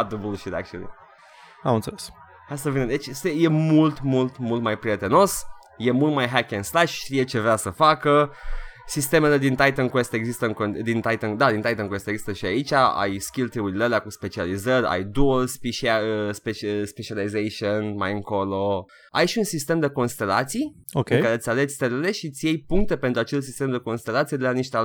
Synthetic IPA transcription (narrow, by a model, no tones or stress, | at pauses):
ad̪ubulʃiɾea̰k̚t͡ʃiṵn̰ | amɨnt̪seles | hast̪uvinid̪et͡ʃseje̞mult̪mult̪mult̪majpɾije̞t̪e̞no̞s | je̞mult̪majɦakenslaʃʃt̪ije̞t͡ʃe̞vɾeasəfakə | sist̪e̞me̞le̞d̪int̪ajt̪ənkwest̪e̞ɡzist̪əɨŋkod̪int̪ajt̪ənd̪ad̪int̪ajt̪ənkwest̪eɡzist̪əʃiait͡ʃʲaa̰jskʲilt̪ɾiuɾileleakuspe̞t͡ʃializərʲa̰jd̪uelspiʃaəspespet͡ʃializejʃionma̰jɨŋko̞lo̞ | ajʃiunsist̪e̞md̪e̞ko̞nst̪e̞la̰t̪sij | okʲekaɾe̞t̪sʲalet̪sʲt̪eɾele̞ʃit̪sʲjejpuŋk̚t̪e̞pent̪ɾuat͡ʃelsist̪e̞md̪e̞ko̞nst̪e̞lat̪sied̪elaniʃt̪ea